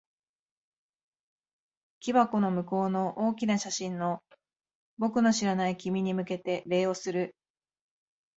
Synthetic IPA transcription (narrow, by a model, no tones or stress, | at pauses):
kʲibako̞no̞mɯ̟ko̞ːno̞ʔo̞ːkʲinaɕaɕĩnːo̞ | bo̞kɯ̟no̞ɕiɾanaikʲimʲiɲ̟imɯ̟ke̞t̪e̞ɾe̞ːo̞sɨɾɯ̟